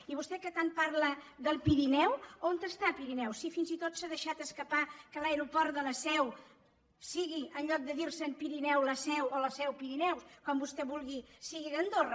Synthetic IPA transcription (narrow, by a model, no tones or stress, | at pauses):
iβust̪ɛkət̪anpaɾlə | ðəlˠpiɾinɛwont̪əst̪apiɾinɛwsifinzit̪ot̪saðəʃat̪əskəpakəlaeɾupɔɾt̪ðələsɛw | siɣiʔənʎɔk̚d̪əðiɾsənpiɾinɛwləsɛwoləsɛwpiɾinɛwskwambust̪ɛβulˠɣisiɣiðənd̪orə